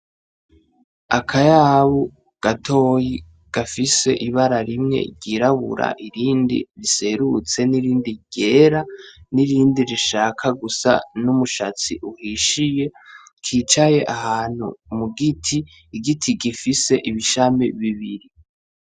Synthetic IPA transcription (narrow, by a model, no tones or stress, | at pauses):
akʰajaβu | ɡ̥atʰo̞ji | ɡ̥afise̞ʔiβaɾaɾimŋe̞̰ɾɟiɾaβṵɾa̰ʔiɾiːndḭɾise̞ɾut͡se̞niɾiːndiɟ̥e̞ɾaniɾiːndiɾiʃaːkʰaɡusa̰numuʃat͡sḭʔuhiʃije̞ | kʰiːt͡ʃaje̞ʔahaːn̥hṵmuɡitʰiː | ɡitʰiɡifise̞ʔiβiʃamḭβiβiɾi